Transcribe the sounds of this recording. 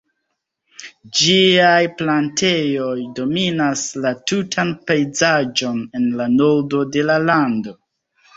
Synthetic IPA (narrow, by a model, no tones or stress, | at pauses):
d͡ʒiajplantʰe̞jo̞jdo̞minaslatutʰanpejzad͡ʒo̞ne̞nlanoɾdo̞de̞lalando̞